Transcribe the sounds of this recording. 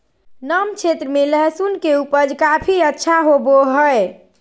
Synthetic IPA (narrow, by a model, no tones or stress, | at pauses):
nəmt͡ʃʰet̪ɾəmeləɦsunkeupəd͡ʒkapʰiətːʃʰaɦoboɦəj